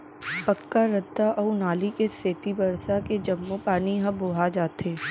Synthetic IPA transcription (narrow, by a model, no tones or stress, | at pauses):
pɐkːaɾɐd̪ːaʔɔnaːlikeseːt̪ibɐɾsaked͡ʒɐmːopaːniɦɐ̃boːɦad͡ʒaːt̪eː